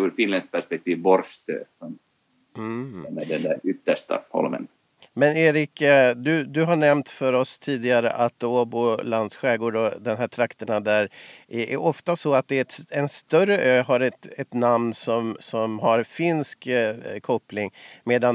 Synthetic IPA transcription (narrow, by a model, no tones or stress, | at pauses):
uɾfɪnlɛns̚pʰæʂpɛk̚t̪ʰiːvbɔɾʂt̪ø̰sɔm̩ | ɛnɛd̪ɛnd̪æɾʏt̪ːəʂʈa̰hɔ̰lmə̰n | mɛneːɾɪkd̪ɵd̪ɵɦaɳɛmt̪fœɾɔst̪ʰiːd̪ɪɡaɾə̰ʔat̪ːoːboland̪sɧɛːɡoːɖɔd̪ɛnɦæːʈʰɾakt̪əɳad̪æɾɛʔæ̰ɾʔɔft̪asɔat̪̚d̪ɛɛt̪ɛnst̪œɾəʔøːɦaɾɛt̪ɛt̪namnsɔmsɔmɦaɾfɪnskkʰɔplɪŋmeːd̪an